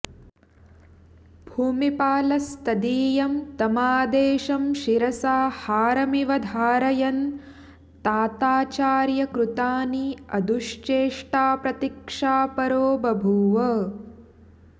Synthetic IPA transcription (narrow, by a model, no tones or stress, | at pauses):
bʱuːmipaːlɐst̪ɐd̪iːjɐmt̪ɐmaːd̪eːʃɐmʃiɾɐsaːhaːɾɐmiʋɐd̪ʱaːɾɐjɐn | t̪aːt̪aːt͡ʃaːɾjɐkɾut̪aːniɐd̪ʱuʃt͡ʃeːʂʈaːpɾɐt̪ikʂaːpɐɾoːbɐbʱuːʋɐ